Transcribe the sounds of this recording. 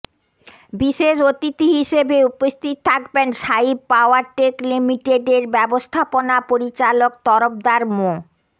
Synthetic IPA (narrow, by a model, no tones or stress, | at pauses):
biʃeʃot̪it̪iɦiʃebeupost̪ʰit̪̚t̪ʰakbenʃaib̚paoaɾʈeklimiʈeɖeɾbɛbost̪ʰaponapoɾit͡ɕalok̚t̪ɔɾop̚d̪aɾmo